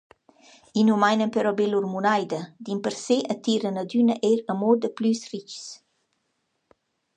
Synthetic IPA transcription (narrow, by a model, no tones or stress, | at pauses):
inumajnənpɛɾɔbelurmunajd̪əd̪impəɾseʔət̪iɾənəd̪ynəʔeɾəmod̪əplysrit͡ʃs